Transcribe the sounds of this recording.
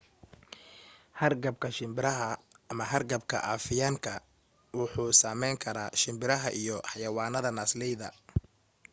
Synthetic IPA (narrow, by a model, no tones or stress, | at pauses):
hɐrɡɐb̚kʰɐʃɪmbɪɾɐɦɐːmɐɦɐrɡɐbkʰɐ̰ʔafɪjaːŋkʰɐ | wɑħuːsaːmɛjŋkʰɐɾaːʃɪmbɪɾɐɦɐʔijɔħɑjɐwaːnɐðɐnaːslɛjðɐ̰